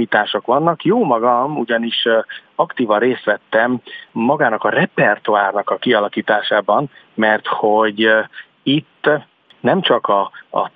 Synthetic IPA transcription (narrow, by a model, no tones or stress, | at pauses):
iːt̪aːʃokʋɒnːɒkjoːmɒɡɒmuɟɒniʃɒkt̪iːvɒnreːst̪ʋɛt̪ːɛmːɒɡaːnɒkɒrɛpɛrt̪uaːrnɒkɒkiɒlɒkiːt̪aːʃaːbɒnmɛrt̪ho̞ɟ | it̪ː | nɛmt͡ʃɒkɒ̰ː